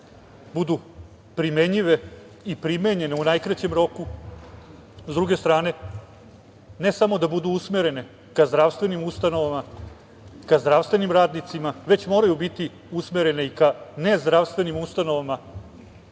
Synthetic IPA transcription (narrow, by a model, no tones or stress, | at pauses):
bud̪u | pɾimeɲiʋe | ipɾimeɲe̞neunajkɾat͡ɕe̞mɾo̞ku | zd̪ɾuɡe̞st̪ɾaːne̞ | ne̞samo̞d̪abud̪uusmeɾe̞ne̞ | kazd̪ɾaʋst̪vʋe̞nimust̪ano̞ʋama | kazd̪ɾaʋst̪ʋe̞nimɾaːd̪nit̪simaʋe̞t͡ɕmo̞ːɾajubit̪i | usmeɾe̞ne̞ikanezd̪ɾaʋst̪ʋe̞nimust̪ano̞ʋama